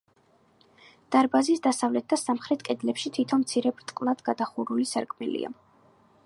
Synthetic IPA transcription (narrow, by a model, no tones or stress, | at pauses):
d̪̥aɾbazisd̪asavlɛt̪̚d̪asamχɾɛt̪ʰkʼɛd̪lɛpʃit̪ʰit̪ʰɔnmt̪sʰiɾɛbɾt̪ʼqʼlˠad̪̥ɡad̪aχuɾulisaɾkʼmilḭa̰